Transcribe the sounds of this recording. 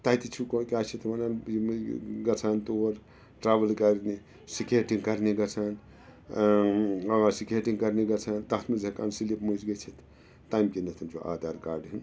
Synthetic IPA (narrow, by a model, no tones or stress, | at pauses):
t̪ait̪it͡ʃʰukokʲaːt͡ʃʰit̪mɐnanimɡɐt͡sʰaːnt̪oɾ | ʈɾaːʋəlkɐɾni | sikeːʈiŋkɐɾniɡɐt͡sʰaːn | ɐasikeʈiŋkɐɾniɡɐt͡sʰaːnt̪ɐɦt̪ʰmizʱɐkaːnsilipmuzɡɐt͡ʃʰit̪ː | aːjmkinɐt̪ʰɐnt͡ʃʰuʔa̰ːd̪aːɾkaːɾɖɦin